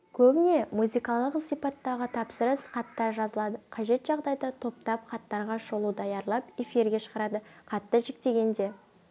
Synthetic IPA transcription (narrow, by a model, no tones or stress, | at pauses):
kʲʰɵbɪne̞muzijkɑlˠəqsijpɑt̪ːɑʁət̪ʰɑpsəɾəsχɑt̪ːɑɾʒɑzəlˠɑd̪əqʰɑʒe̞t̪ʒɑʁd̪ɑjd̪ɑt̪ʰo̞p̚t̪ɑpχɑt̪ːɑɾʁɑʃolˠud̪ɑjɑɾlˠɑpe̞fiɾɡʲe̞ʃə̥ʁəɾɑd̪əqɑt̪ːəʒɪk̚t̪e̞ɡʲe̞nd̪e̞